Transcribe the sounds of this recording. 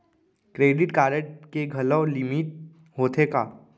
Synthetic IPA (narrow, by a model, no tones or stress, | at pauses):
kɾeːɖɪʈkaːɾəʈkeɡʱɐlɔlɪmiʈ̚ | ɦoːt̪ʰekaː